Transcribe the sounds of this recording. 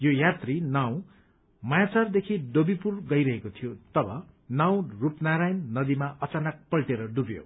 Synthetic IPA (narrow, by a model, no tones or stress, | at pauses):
jojat̪rinaw̃ | mʌjat͡sard̪ekʰiɖobipurɡʌjɾʌɦekot̪ʰijot̪ʌbʌ̰ | naw̃rupnaɾajnːʌd̪imaʔʌt͡sanʌk̚pʌlʈeɾʌɖubjo̰